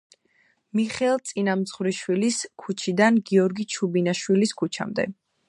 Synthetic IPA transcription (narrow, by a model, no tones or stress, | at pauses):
miχɛlˠt̪sʼinamzʁwɾiʃwiliskʰut͡ʃʰid̪anɡiɔɾɡit͡ʃʰubinaʃwiliskʰut͡ʃʰa̰md̪ɛ̰